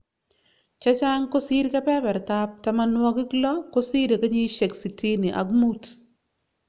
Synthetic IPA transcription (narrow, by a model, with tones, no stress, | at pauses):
t͡ʃa˦t͡ʃa˦ŋko˦si˦ɾkɛ˦pɛ˦bɛ˨ɾta˦p̚ta˦ma˦nwɔ˦kɪ˦klɔ˦ko˦si˦ɾe˨ke˦ɲi˦ʃe˨ksi˨ti˦nɪ˨ʔa̰˨ɡmu˦t